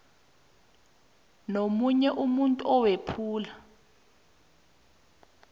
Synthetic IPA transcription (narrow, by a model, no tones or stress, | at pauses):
nomuɲɛʔumuntʼuɔwepʰuːla